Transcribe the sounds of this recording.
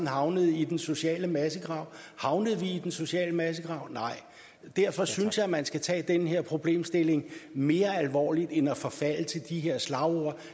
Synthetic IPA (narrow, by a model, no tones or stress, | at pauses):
n̩ɦɑ̈ʊnəð̞̩ˠid̥enso̝ɕɛ̰ːləmæsəɡ̥ʁɑ̈ʊ̰hɑ̈ʊnəð̩ˠʋiid̥enso̝ɕɛ̰ːləmæs̬əɡ̥ʁɑ̈ʊnɑ̈ɪ̰ | d̥æɐ̰fɒ̽synsjɑ̈ɪmænsɡ̥æt͡sʰɛ̰ːd̥enəɦeɐ̰pʰʁo̝b̥le̝̰ːmsd̥e̝le̝ŋme̝ːɐælʋɒ̰ːlid̥enæfɒ̽fæl̰ət͡sʰe̝ld̥iɦe̝ɐ̰slɑ̈ʊoɐ